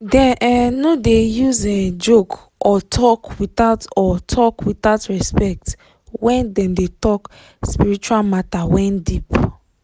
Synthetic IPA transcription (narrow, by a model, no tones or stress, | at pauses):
dɛ̃nʔɛnodejuzed͡ʒok | ʔɔtʰɔkwitaʊtɔtʰɔkwitaʊtɹɛspɛk̚t | wɛ̃ndɛ̃ndetɔk | spiɹit͡ʃualmatawɛ̃ndip